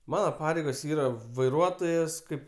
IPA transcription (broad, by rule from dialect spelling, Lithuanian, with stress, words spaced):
ˈmɑːnɐ ˈpɑːrʲɛɪɡoːs ˈiːrɐ ʋɐɪˈruɔtoːjɛs ˈkɐɪp